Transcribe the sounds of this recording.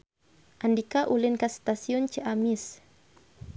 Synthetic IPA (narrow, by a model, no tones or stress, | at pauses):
ʔandikaʔulinkast̪asiɔnt͡ʃəʔamis